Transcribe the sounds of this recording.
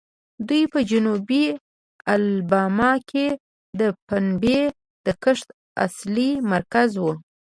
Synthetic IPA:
d̪ujpəd͡ʒʊnubi | albɑmɑkʰe | d̪əpanbe | d̪̥əkəʂt̪ | a̰slimaɾkazwu

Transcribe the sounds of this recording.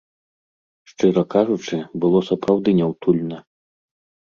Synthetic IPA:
ʂt͡ʂɨɾɐkaʐut͡ʂɨbɨlˠɔsɐpɾawd̪ɨnʲɛwt̪ulʲnɐ

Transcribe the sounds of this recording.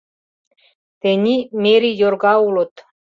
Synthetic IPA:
t̪enʲimeɾʲijorɣɑulɤ̆t̪

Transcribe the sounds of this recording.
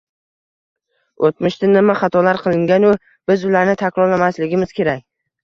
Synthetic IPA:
ot̪mɪʃt̪ɪnɪmaχɑt̪ʰɒlaɾqʰɨlˠɪŋɡʲanʊ | b̥ɪzʊlaɾnɪt̪ʰakʲɾɒɾlamaslɪɡʲɪmɪz̥kʲʰe̞ɾak̚ʲ

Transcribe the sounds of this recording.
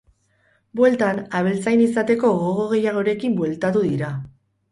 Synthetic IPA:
bwe̞lt̪anaβ̞elt͡sajnisat̪e̞ko̞ɣoɣoɣ̞e̞jaɣ̞o̞ɾe̞kimbwe̞lt̪at̪̬uðiɾa

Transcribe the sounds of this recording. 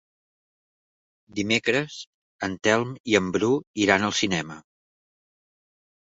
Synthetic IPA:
d̪imekɾəz | ənt̪ɛlˠmiəmbɾuiɾanəlˠsinɛmə

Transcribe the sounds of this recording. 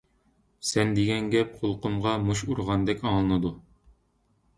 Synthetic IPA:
sɛnd̪eɡʲɛŋɡʲɛp̚qʰolˠqumʁɑmuʃuɾʁɑnd̪ɛkʲɑɴlˠɤnɨd̪u

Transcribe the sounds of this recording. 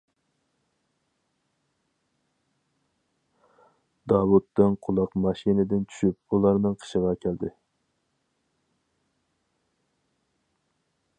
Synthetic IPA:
d̪ɑwut̪ːɨnqʰʊlˠɑqmɑʃinɪd̪ɪnt͡ʃʰy̥ʃyp̚ulˠɑɾnɨŋqʰə̥ʃəʁɑkʲʰæld̪ɪ

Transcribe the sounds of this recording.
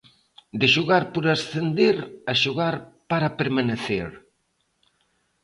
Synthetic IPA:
d̪ɪʃuɣaɾpoɾasθend̪eɾaʃuɣaɾpaɾapeɾmaneθeɾ

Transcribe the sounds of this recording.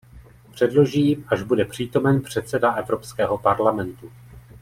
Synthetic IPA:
pr̝̥ɛdlo̞ʒiːmaʒbudɛpr̝̥iːt̪o̞mɛnpr̝̥ɛt̪sɛdaʔɛvɾo̞pskɛːɦo̞paɾlamɛnt̪u

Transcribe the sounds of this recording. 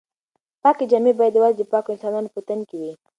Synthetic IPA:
pɑked͡ʒamebajad̪wazd̪əpɑkoɪnsɑnɑnopət̪ənkewi

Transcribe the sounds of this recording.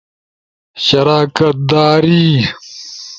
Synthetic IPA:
ɕɐɾaːkɐt̪̚d̪aːɾiː

